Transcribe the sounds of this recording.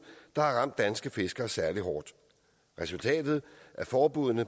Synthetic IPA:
d̥ɑ̈hɑ̈ʁɑ̈m̰d̥ːænsɡ̥əfe̝sɡ̥ɐːsæɐliɦɒːd̥ | ʁɛsult͡sʰɛ̰ːd̥ð̞̩ˠʔæɐfɒːb̥uð̰ˠnə

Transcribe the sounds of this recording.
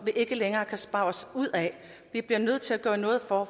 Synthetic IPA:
ʋiʔe̝ɡ̥əleŋɐːkʰæsb̥ɑ̈ʊɒsuð̞̰ˠɛ | ʋib̥liɐnøð̰ˠt͡sʰe̝læɡ̥ɶːɐnɔ̽ːð̞̩ˠfɒ

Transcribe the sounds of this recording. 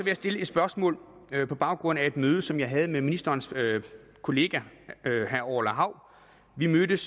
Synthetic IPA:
sɒʋe̝jɑsd̥e̝ləe̝d̥sb̥ɶɐsmɔ̰ːlpʰɒ̽b̥ɑ̈ʊɡ̥ʁɔ̽n̰æe̝d̥møːð̞ˠəsɒ̽mjɑ̈ɪɦɛð̞̩ˠəmeminisd̥ɐːnsø | kʰo̝le̝ːɡ̥æɦæɐɒʊ̰ɐlæɦɑ̈ʊ̰ | ʋimød̥əs

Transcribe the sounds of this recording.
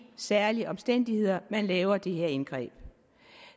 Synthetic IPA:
sæɐliəʔɒ̽msd̥en̰d̥ihe̝ð̰ˠɐmænlɛːʊɐd̥e̝ɦeɐe̝nɡ̥ʁɛ̰ːb̥̚

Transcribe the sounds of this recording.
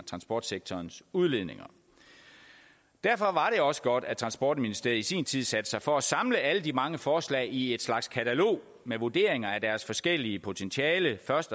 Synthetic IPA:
t͡sʰʁɑ̈nsb̥ɒ̰ːd̥seɡ̥̚t͡sʰɒːnsuðˠle̝ðˠne̝ŋɐ | d̥æɐfɒ̽ʋɑ̈ɾe̝ɒ̽sə̥ɡ̥ɒd̥æt͡sʰʁɑ̈nsb̥ɒ̰ːd̥minisd̥e̝ɐð̩ˠisḭːnt͡sʰið̰ˠsæd̥ə̥sɑ̈ɪfɒ̽æsɑ̈mləæləd̥imɑ̈ŋəfɒːslɛ̰ːɪie̝d̥slɑ̈ɡ̥skʰæt͡sʰælo̝̰ː | meʋod̥e̝ɐ̰e̝ŋɐæd̥æɐsfɒ̽sɡ̥el̰iəpʰo̝t͡sʰent͡sʰiɛːləfɶɐsd̥

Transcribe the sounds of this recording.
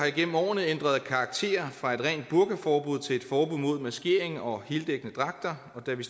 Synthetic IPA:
ɑ̈iɡ̥en̰m̩ɒ̰ːnð̩ˠend̥ʁɐð̞ˠkʰɑ̈ːɡ̥̚t͡sʰe̝̰ːɐfʁɑ̈e̝d̥ʁɛ̰ːnd̥̚b̥uɐɡ̥əfɒːb̥uð̞̰ˠt͡sʰe̝le̝d̥fɒːb̥uð̰ˠmo̝ð̞̰ˠmæsɡ̥e̝̰ɐeŋɒ̽he̝ːld̥eɡ̥ənəd̥ʁɑ̈ɡ̥̚d̥ɐ | ɒ̽d̥æʋis

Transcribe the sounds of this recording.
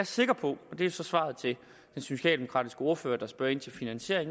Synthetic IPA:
æɐse̝ɡ̥ɐpʰɒ̽ɒd̥e̝josɒ̽sʋɑ̰̈ð̞̩ˠt͡sʰe̝ | d̥ensuɕɛ̰ːld̥emo̝kʰɑ̈ːd̥isɡ̥əo̝ɐføːɐd̥ɑ̈sb̥ɶɐe̝n̰t͡sʰe̝lfinænɕe̝ɐ̰eŋ

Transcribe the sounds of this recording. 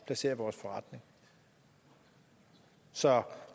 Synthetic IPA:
pʰlæse̝̰ːɐʋɒːsfɒ̽ʁɑ̈d̥ne̝ŋ | sɒ̽

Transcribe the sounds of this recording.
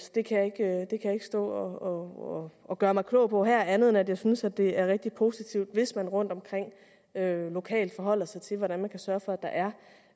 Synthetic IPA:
d̥e̝kʰæjɑ̈e̝ɡ̥ød̥e̝kʰæjae̝ɡ̥ə̥sd̥ɔ̰ːɒɒ | ɒ̽ɡ̥ɶːɐmɑ̈ɪkʰlɔ̰̽ʊpʰɒ̽ɦæɐ̰ænð̞̩ˠnæd̥jɑ̈ɪsynsæd̥e̝æɐʁɛɡ̥̚d̥ipʰo̝sit͡sʰiʊ̰d̥ʋe̝smænʁɔ̽n̰d̥ɒ̽mkʰʁeŋ̰ | ølo̝kʰɛ̰ːld̥fɒ̽ɦɒ̽l̰ɐsɑ̈ɪt͡sʰe̝lʋɒd̥ænmænkʰæsɶːɐfɒ̽æd̥ɑ̈ʔæɐ

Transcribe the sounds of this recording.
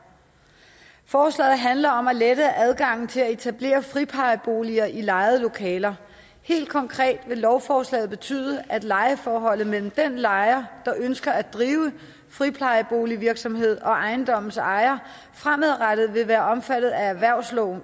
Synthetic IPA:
fɒːslɛ̰ːɪð̩ˠɦænlɐɒ̽mæled̥əʔæð̞ˠɡ̥ɑ̈ŋ̰n̩t͡sʰe̝læe̝t͡sʰæb̥le̝̰ːɐfʁipʰɑ̈ɪəb̥o̝ːliɐʔilɑ̈ɪð̩ˠəlo̝kʰɛ̰ːlɐ | he̝̰ːld̥̚kʰɒ̽ŋkʰʁɛ̰ːd̥ʋe̝lɒʊfɒːslɛ̰ːð̩ˠb̥e̝t͡sʰy̰ːð̞ˠəʔæd̥lɑ̈ɪəfɒːɦɒ̽l̰ð̩ˠmel̰m̩d̥enlɑ̈ɪɐd̥ɑ̈ʔønsɡ̥ɐæ̥d̥ʁiːʊə | fʁipʰɑ̈ɪəb̥o̝ːliʋiɐɡ̥sɒ̽mhe̝ð̞̰ˠɒ̽ʔɑ̈ɪnd̥ɒ̽m̰n̩sɑ̈ɪɐ | fʁamæðˠʁad̥ð̩ˠʋe̝ʋæːɐɒ̽mfæd̥ð̩ˠææʋæɐ̰ʊ̰slɒʊn̩

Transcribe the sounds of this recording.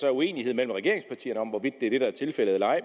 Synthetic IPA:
sɒ̽ue̝̰ːnihe̝ð̞̰ˠmel̰m̩ʁɛɡ̥e̝ɐe̝ŋspʰɑ̈t͡sʰḭːɐnəɒ̽mʋɒʋid̥̚ːe̝æɐ̥e̝ɾ̥ɑ̈æɐt͡sʰe̝lfel̰əð̩ˠlɑ̈ɪ

